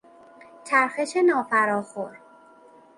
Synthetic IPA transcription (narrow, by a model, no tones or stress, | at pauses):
t͡ʃʰæɾxe̞ʃenɒːfæɾɒːxoɾ